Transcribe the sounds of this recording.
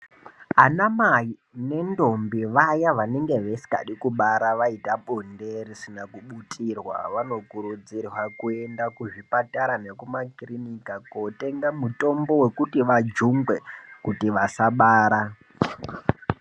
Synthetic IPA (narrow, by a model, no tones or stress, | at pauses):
anamai | ne̞ndo̞mbiʋajaʋaneŋɡe̞ʋesi̥ka̰ɗikuɓaɾaʋaitaɓonderisinakuɓutʰʼirwa̰ʋano̞kuɾud͡zirwakue̞ndakuʐipataɾane̞kumakrinikakote̞ŋɡamuto̞mbo̞we̞kutiʋad͡ʒuŋɡwekutiʋasaɓaːɾa